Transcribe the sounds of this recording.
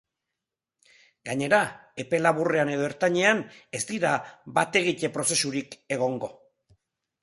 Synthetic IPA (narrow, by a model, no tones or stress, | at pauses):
ɡaɲe̞ɾae̞pe̞laβure̞ane̞ð̞o̞eɾt̪aɲe̞ane̞st̪iɾabat̪e̞ɣ̞ic̪e̞pɾo̞se̞suɾike̞ɣ̞o̞ŋɡo̞